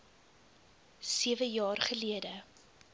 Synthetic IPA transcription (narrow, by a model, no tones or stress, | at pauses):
siəvəjɑːrχəliədə